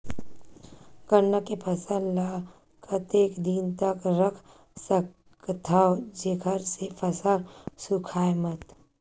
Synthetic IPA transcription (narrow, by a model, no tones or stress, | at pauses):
kəɾnəkːepʰəsənla | kʰət̪eːkd̪int̪əkɾəkʰ | sə | t̪ʰawd͡ʒeɡʰʱəɾsepʰəsaɾsukʰaːjmət̪